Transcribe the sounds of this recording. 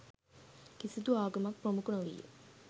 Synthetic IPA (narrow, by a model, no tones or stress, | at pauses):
kisid̪uaːɡɐmɐk̚promukuɳɐʋḭjːḛ